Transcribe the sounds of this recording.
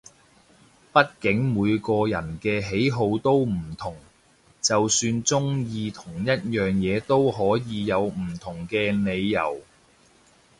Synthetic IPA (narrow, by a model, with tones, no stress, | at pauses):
pɐ˥t̚kɪ˨˥ŋmuː˨˧jkɔː˧jɐ̰˨˩nkɛː˧ɦe˨˥jɦo˨˧wt̪o˥wm̩˨˩t̪ʰʊ˨˩ŋ | t͡sɐ˨wsyː˧nt͡sʊ˥ŋjiː˧t̪ʰʊ˨˩ŋjɐ˥t̚jœː˨ŋjɛː˨˧t̪o˥wɦɔː˨˥jiː˨˧jɐ˨˧wm̩˨˩t̪ʰʊ˨˩ŋkɛː˧ne˨˧jːɐ̰˨˩w